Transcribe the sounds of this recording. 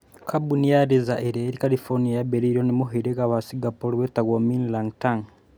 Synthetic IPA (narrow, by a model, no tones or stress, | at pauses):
kʰabunijaɾezaʔeɾeːɾikalifoɾnijajabeɾiɾonimuɦeɾekaβasiɡapoɾiβetaɣominlaŋtaŋ